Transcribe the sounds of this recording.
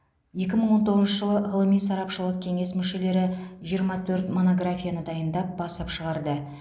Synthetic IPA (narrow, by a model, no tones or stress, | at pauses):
je̞kʲɪməɴwo̞nt̪o̞ʁəzʃəʒəlˠəʁəlˠəmijsɑɾɑpʃəlˠəq̚kʲʰe̞ŋe̞smʏʃe̞le̞ɾɪʒijəɾmɑt̪ʰɵɾt̪mo̞no̞ɡɾafʲijanəd̪ɑjənd̪ɑp̚b̥ɑsɑpʃəʁɑɾd̪ə